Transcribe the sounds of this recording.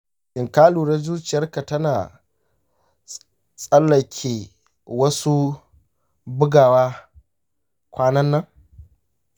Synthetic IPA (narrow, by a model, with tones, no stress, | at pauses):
ʔɪ˨ŋkaː˦luː˨ɽa˦zuː˦t͡ʃɪ˨jɐ˦rka˨tɐ˦naː˨ | sʼɐ˦lːɐ˨kʲʰeː˨ | wɐ˦su˦ | bʊ˦ɡaː˨waː˦ | kʷaː˦nɐ˦nːɐ˦ŋ